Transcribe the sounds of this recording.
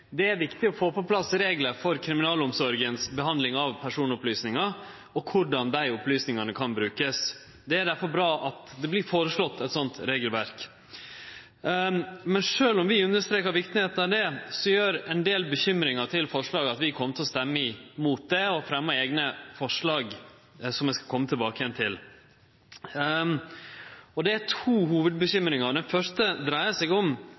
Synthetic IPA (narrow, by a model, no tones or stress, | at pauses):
d̪ɛæɾʋɪkt̪ɪɔfoːpɔpʰlɑsɾeːɡləɾfɔɾkʰɾɪmɪnɑːlʊmsɔɾɡənsbəɦɑnd̪lɪŋɑʋpʰæʂuːnʊplyːsnɪŋɑ | ɔkʰʊɖɑnd̪æɪʊplyːsnɪŋɑnəkʰɑnbɾʉːkəs | d̪ɛæɖ̪æɾfɔɾbɾɑːʔɑt̪d̪ɛblɪɾfoːɾəʂɭɔt̪ːɛt̪sɔnt̪ɾeːɡəlʋæɾk | mɛnʂøːlɔmʋɪʉnːəʂt̪ɾeːkəɾʋɪkt̪nɪeːt̪nɑʋd̪ɛsɔjøːɾɛnd̪eːlbəçʏmɾɪŋɑt̪ʰɪlfɔʂɭɑːɡɑt̪ʋɪkʰɔmːət̪ʰɪlɔst̪ɛmːəɪmuːt̪̚d̪ɛɔfɾɛmːəeːɡnəfɔʂɭɑːɡ | sɔmɛskɑkʰɔmːət̪ʰɪlbɑːkəjɛnt̪ʰɪl | ɔd̪ɛætʰuːɦuːʋəd̪̚bəçʏmɾɪŋəɖ̪ɛnfœʂtəd̪ɾæɪəsɛɡɔm